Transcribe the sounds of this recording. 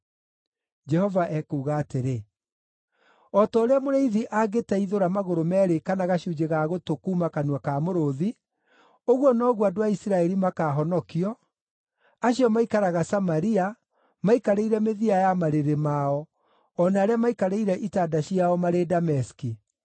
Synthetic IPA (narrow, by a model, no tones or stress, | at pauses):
d͡ʒɛhɔvaʔɛkuːɣaːteɾe | ɔtɔːɾeamoɾeiðiʔaɡetɛiðoɾamaɣoɾomɛːɾekanaɣaɕud͡ʒeɣaɣotokuːmakanwakamoɾoði | oɣwɔnɔɣwadoaisiɾaɛɾimakaɦɔnɔkiɔ | aɕiɔmaikaɾaɣasamaɾia | maikaɾeiɾɛmeðiajamaɾeɾemaɔ | ɔnaːɾeamaikaɾeiɾɛʔitaːdaɕiaɔmaɾedamɛski